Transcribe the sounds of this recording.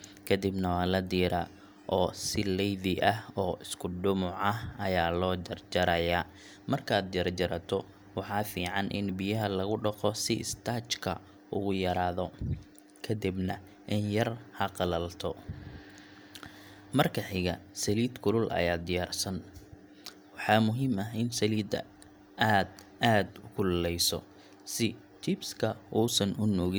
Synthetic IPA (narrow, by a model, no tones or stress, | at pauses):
kʰɐd̪ɪbnɐwɑːlɐd̪iːɾɐ | ʔɔːsɪlɛjðɪʔɐɔːʔɪskʰʊɖʊmʊʕɐɦɐjaːlɔːd͡ʒɐrd͡ʒɐɾɐjaː | mɐrkʰaːd̪jɐrd͡ʒɐɾɐt̪ʰɔ | wɑħɑːfiːʕɑnʔɪ̰nbɪjɐɦɐlɐɣʊɖɐqɔsɪʔɪ̰st̪ʰaːt͡ʃkʰɐ̰ | ʔʊɣʊjɐɾaːðɔ | kʰɐd̪ɪbnɐ | ʔɪnjɐrhɐqɑlɐlt̪ʰɔ | mɐrkʰɐħɪɣɐsɐliːd̪kʰʊlʊlʔɐ̰jaːd̪ɪjaːrsɐn | wɑħɑːmʊɦiːmɐɦɪnsɐliːd̪ɐ̰ | aːd̪ | aːd̪ʊkʰʊllɛjsɔ̰ | sɪ | t͡ʃɪbskʰɐʔuːsɐnʊnɔːɣɪ